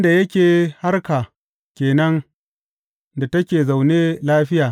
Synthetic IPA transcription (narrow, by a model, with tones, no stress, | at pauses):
nda˨jɐ˦kʲeː˨ha˦rka˨ | kʲeː˨nɐ˦ŋ | da˨tɐ˦kʲeː˨za˨wneː˦laː˦ɸɪ˦jaː˨